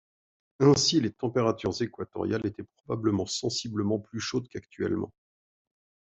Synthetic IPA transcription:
ɛ̃silet̪ɑ̃peʁat̪yʁzekwat̪ɔ̰ʁjalet̪ɛpχɔbabləmɑ̃sɑ̃sibləmɑ̃plyʃod̪kakt̪ʰɥɛ̰lmɑ̰̃

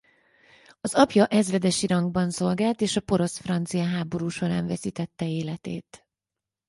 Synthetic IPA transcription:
ɒzɒpjɒʔɛzvɛd̪ɛʃiɾɒŋɡbɒnso̞lɡaːlt̪eːʃɒpo̞ɾo̞sfrɒnt̪sijɒɦaːbo̞ɾuːʃo̞ɾa̰ːɱvɛsiːt̪ɛt̪ːɛeːlɛt̪ḛːt̪

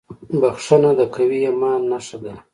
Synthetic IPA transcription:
baxʂanad̪əkʰawiamɑnːaʂad̪a

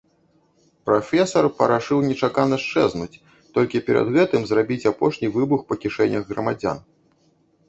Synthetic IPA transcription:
pɾafʲɛsɐrpɐɾaʂɨwnʲɛt͡ʂakanɐʂt͡ʂɛznut͡sʲ | t̪ɔlʲkʲipʲɛɾɐ̰d̪ɣɛt̪ɨmzrabʲit͡sʲapɔʂnʲivɨbuxpɐkʲiʂɛnʲɐɣɣrɐmad͡zʲa̰n

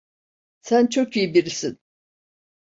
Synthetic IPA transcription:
sænt͡ʃʰokijibiɾisin

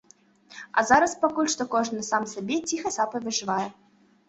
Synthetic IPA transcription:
ɐ̰zaɾɐspakɔlʲʂt̪ɔkɔʐnɨsamsʲabʲɛt͡sʲixɐsapɐvʲɨʐɨvajɛ

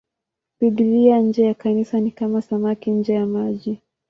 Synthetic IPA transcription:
piɗiliaɲ̩d͡ʒɛjakanisanikamasamakiɲ̩d͡ʒɛjamaʄi

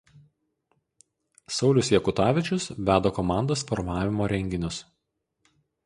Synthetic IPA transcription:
sɒʊlʲʊsjɛkʊt̪ɑːʋʲɪt͡ʃʲʊsʋʲæːd̪oːkɔmɑˑnd̪oːsfɔɾmɑːʋʲɪmoːɾʲɛŋʲɡʲɪnʲʊs

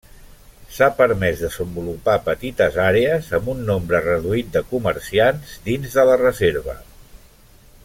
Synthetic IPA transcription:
sapəɾmɛzd̪əzəmbulupapət̪it̪əzaɾeəzəmbunːombɾərəðuit̪̚d̪əkuməɾsianzd̪inzðələrəzeɾβə̰

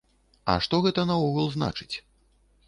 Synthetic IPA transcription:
ɐ̰ʂt̪ɔɣɛt̪ɐnɐuɣulˠzna̰t͡ʂɨ̥t͡sʲ

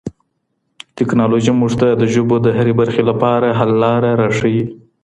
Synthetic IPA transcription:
tɪknɑloʒimuʐt̪ad̪əʒobod̪əɦaɾebaɾxelapɑɾaɦalːɑɾaɾɑʂəwi

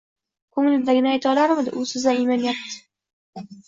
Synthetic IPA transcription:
kʰɵŋlɪd̪aɡʲɪnɪajt̪ʰaɒlaɾmɪd̪ɪʔʊsɪzaɪmɒnjat̚t̪ʰːɪ̥

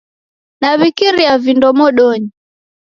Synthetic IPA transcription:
naβikiɾijavindɔmɔɗɔɲi

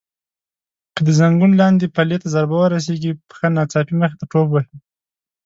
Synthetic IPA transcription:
kəd̪əzaŋɡunlɑnd̪epalet̪azaɾbawəɾas̬eɡipə̥xənɑt͡sɑpiməx̬et̪aʈopwahi

